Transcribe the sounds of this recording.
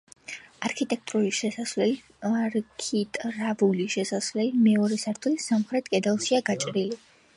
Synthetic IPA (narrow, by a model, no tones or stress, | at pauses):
aɾkʰit̪ʼɛk̚ʰt̪ʼɾuɾiʃɛsasvlɛli | aɾkʰit̪ʼɾavuliʃɛsasvlɛlimɛɔɾɛsaɾt̪ʰulisamχɾɛt̪ʼkʼɛd̪alˠsiaɡat͡ʃʼɾili